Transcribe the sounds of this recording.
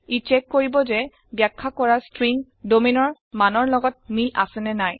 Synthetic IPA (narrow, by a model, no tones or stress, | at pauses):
it͡ʃɛkːoɹibɔzɛ | bjakʰːakɔɹastɹiŋ | dominɔɹ | manɔɹlɔɡɔt̚miʔa̰sɛnɛnaj